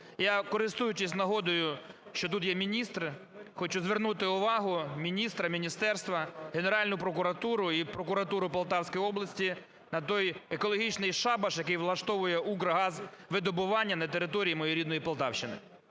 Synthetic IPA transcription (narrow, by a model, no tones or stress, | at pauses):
jakɔɾɪst̪ujʊt͡ʃɪsʲnɐɦɔd̪ʊjʊʃt͡ʃɔt̪̬ut̪jɛmʲinʲist̪r | xɔt͡ʃʊzʋernut̪ɪʊʋɑɦʊmʲinʲist̪ɾɐmʲinʲist̪ɛrst̪ʋɐɦeneɾɑlʲnʊpɾɔkʊɾɐt̪uɾʊipɾɔkʊɾɐt̪uɾʊpɐlˠt̪ɑwsʲkɔjɔblˠɐsʲtʲi | nɐt̪ɔjekɔlˠɔɦʲit͡ʃnɪjʃɑbɐʃjɐkɪjʋlˠɐʃt̪ɔʋʊjɛʔuɡɾɐɦɑzʋɪd̪ɔbʊʋɑnʲːɐnɐt̪eɾɪt̪ɔɾʲijimɔjɔjɾʲid̪nɔjipɐlˠt̪ɑ̰wʃt͡ʃɪnɪ̰